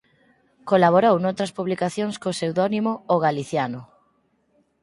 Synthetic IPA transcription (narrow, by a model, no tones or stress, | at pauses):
kolaβ̞oɾownowt̪ɾɐspuβlikaθjoŋskosewðɔnimʊoɣaliθjanʊ